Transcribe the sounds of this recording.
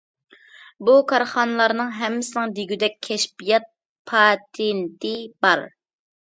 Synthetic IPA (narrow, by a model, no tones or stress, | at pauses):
bukʰɑɾχɑnɨlˠɑɾnɨŋɦɛmːɪsɪnɪŋd̪iɡʲyd̪ɛkʲʰːɛʃbijɑt̪̚ | pʰɑt̪ʰent̪ɪbɑɾ